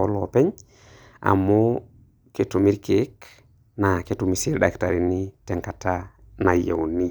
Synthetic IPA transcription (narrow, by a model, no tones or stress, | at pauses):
olopɛɲ | ʔa̰mu | ketumiɾkek | naketumisiɾɗaktaɾiniteŋkata | najḛwni